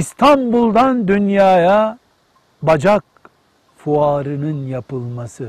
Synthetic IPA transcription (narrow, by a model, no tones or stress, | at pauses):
ist̪ʰambulˠd̪and̪ynjaːja | bad͡ʒak̚ | fuaːɾɯnɯnjapɯlˠmasɯ